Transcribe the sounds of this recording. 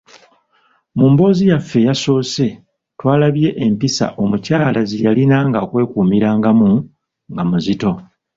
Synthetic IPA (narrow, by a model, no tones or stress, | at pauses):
muːmbo̞ːzijafːe̞jaso̞ːse̞ | twaːlaβje̞ʔempisa̰ʔo̞mucaːlazijalinaŋɡakwe̞ːkuːmiɾaːŋɡamu | ŋɡamuzito̞